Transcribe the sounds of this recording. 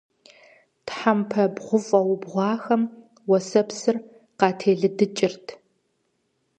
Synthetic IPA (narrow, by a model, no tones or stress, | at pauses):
tħampʰɐbʁʷʊfʼɐwʊbʁʷɑːxɐm | wɐsɐpsɨr | qɑːtʰeːɮɨdɨt͡ʃʼɪrtʰ